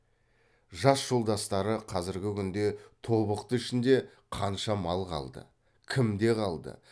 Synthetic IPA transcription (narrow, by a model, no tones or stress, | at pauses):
ʒɑsʒ̥o̞lˠd̪ɑst̪ɑɾəqʰɑzɪɾɡʲɪkʲʰʏnd̪e̞t̪ʰo̞βəqt̪əɪʃɪnd̪e̞ | qʰɑnʃɑmɑlˠqʰɑ̰lˠd̪ə̰ | kʲʰɪmd̪e̞qʰɑlˠd̪ə̰